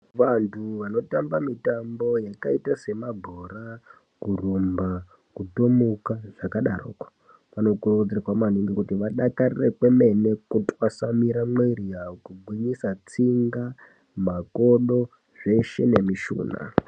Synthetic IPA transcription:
ʋantʰuʋano̞tambamitambo̞jakaitase̞mabʱora | kurumba | kutomukaʐ̥akaɗaro̰ːkḁ | ʋano̞kurd͡zerwamaniŋɡikutiʋaɗakarirekweme̞ne̞kutʼwasamiɾamwerijakuɡʱwiɲisat͡siŋɡa | mako̞ɗo̞ | ʐe̞ʃe̞ne̞miʃṵːna̰

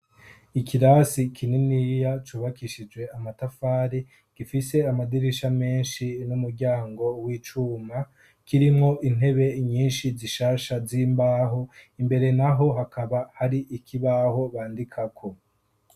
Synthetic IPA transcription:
ikiɾasikʰininijat͡ʃuːβakiʃid͡ʒwe̞amatafaːɾi | ɡ̥ifise̞amadiɾiʃame̞ːnʃinumuɾɟaːŋɡo̞wiːt͡ʃuːma | kiɾimŋo̞ʔin̥e̞βe̞ɲiːnʃiziʃaːʃaziːmbaːɦo̞imbe̞ɾe̞naɦo̞ɦakaβahaɾiʔikʰiβaho̞βaːndikʰakʰo̞

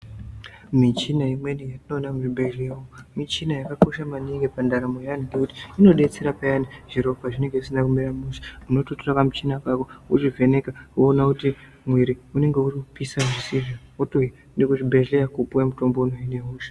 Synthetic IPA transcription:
mit͡ʃinaimwe̞nijatino̞nakuʐibʱeʒlejaomit͡ʃinajakako̞ʃamaneŋɡepandaɾamojaniŋɡekuti̥ːno̞ɗe̞t͡se̞ɾapajaniʐ̥iɾo̞faʐine̞ŋɡe̞ʐisinakumiɾamusi̥uno̞totorakamut͡ʃinakakouʐive̞ne̞kawuːnakuti | mwiɾiune̞ŋɡe̞urikupisaʐisiʐaotoi | ndekuʐibʱe̞ʒlejakupuwemuto̞mbo̞unoine̞ɦuːʃḁ

